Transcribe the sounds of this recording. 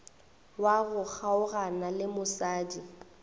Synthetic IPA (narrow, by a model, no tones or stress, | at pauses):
waɣʊk͡xʰaʊɣanalɪmʊsaːdi